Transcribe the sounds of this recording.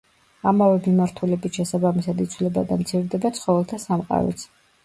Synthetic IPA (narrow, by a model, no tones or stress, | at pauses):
amavɛmimaɾt̪ʰulɛbit̪ʃɛsabamisad̪it̪sʰwlɛbad̪amt̪sʰiɾd̪ɛbat̪sʰχɔvɛlˠt̪ʰasamqʼa̰ɾɔ̰t̪sʰ